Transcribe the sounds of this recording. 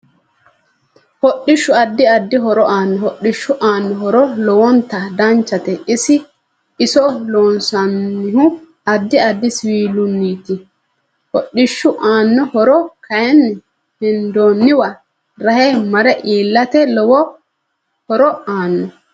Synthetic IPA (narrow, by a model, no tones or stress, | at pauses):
hɔɗːɪʃːʊɐd̪ːɪɐd̪ːɪɦɔɾɔʔaːnːɔhɔɗːɪʃːʊʔaːnːɔhɔɾɔlɔwɔnt̪ɐd̪ɐnt͡ʃːɐt̪ɛɪsɪ | ɪsɔloːnsɐnːɪhʊ | ɐd̪ːɪɐd̪ːɪswiːlʊnːiːt̪ɪ | hɔɗɪʃːʊʔaːnːɔhɔɾɔkʰɐjɛn | hɪnd̪oːnːɪwɐ | ɾɐhɛmɐɾɛʔiːlːɐt̪ɛlɔwɔ | hɔɾɔaːnːɔ